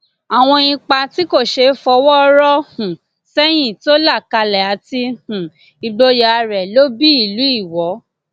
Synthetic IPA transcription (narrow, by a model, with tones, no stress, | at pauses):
a˨w̃ɔ̃˧ĩ˧k͡pa˧ti˦ko˦˨ʃe˧˦fɔ˧wɔ˦ɾɔ˦hũ˨ | sɛ˦j̃ĩ˦˨to˦la˦˨ka˧lɛ˨a˨˦ti˧hũ˨ | i˧ɡ͡bo˧ja˧a˧ɾɛ˨lo˦bi˦i˦˨lu˨˦i˦˨wɔ˨˦